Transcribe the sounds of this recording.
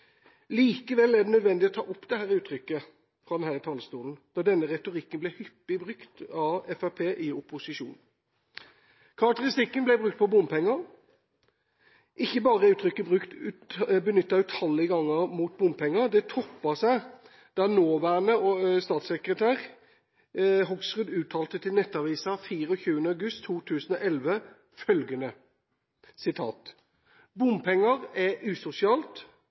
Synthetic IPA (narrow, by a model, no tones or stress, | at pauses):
liːkəʋɛlːæd̪ɛnœd̪ʋɛnd̪ɪɔt̪ʰɑ̰ːʔɔpːd̪ɛhæːɾʉːt̪ʰɾʏkːə | fɾʁɑd̪ɛnhæːɾɪt̪ʰɑlːəst̪uːln̩d̪̥ɑd̪ɛnːəʁɛt̪ʊɾɪkːənblɛhʏpːɪbʁʉkt̪ɑɛfæpʰeːʔɪʊpːʊsɪʃṵːn | kʰɑʁɑk̚t̪əʁɪst̪ɪkːənblɛbʁʉkt̪̚pʰɔbʊmpʰɛŋːɑɾ | ʔɪçːəbɑːʁəʉːt̪ʰɾʏkːəbʁʉkt̪ʉbənʏt̪ːɑʉt̪hɑlːəɪɡɑŋːəmuːt̪̚bʊmpʰɛŋːəʁd̪ɛt̪ʰɔpːɑsæɪ | d̪̥ænoːʋæɳəɔst̪ɑːt̪sɛkɾət̪ʰæːʁ | ɦɔɡsʁʉd̪ʉːt̪ʰɑːlt̪ət̪ʰɪlnɛt̪ːɑʋiːsɑfiːʁəɔçʉːənəɑʉɡʉst̪ʰːuːt̪ʰʉːsən̩ɔʔɛlʋə | fœlɡənə | sɪt̪ʰɑ̰ːt̪ | bʊmpʰɛŋːəʁɛʔʉːsʊsɪɑːlt̪